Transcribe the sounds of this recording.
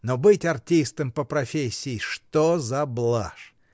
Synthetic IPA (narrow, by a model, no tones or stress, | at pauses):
nobɨtʲɐrtʲist̪əmpəpɾɐfʲesʲːɪɪʂt̪ozɐblˠaʂ